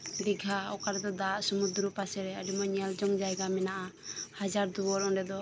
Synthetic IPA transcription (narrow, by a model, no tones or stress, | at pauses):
d̪iɡʱaɔkaɾɛd̪ɔd̪aʔsumud̪ɾupasɛɾɛaɖimɔɲɛld͡ʒɔŋd͡ʒajɡamɛnaʔahad͡ʒaɾd̪uɔɾɔɳɖɛd̪ɔ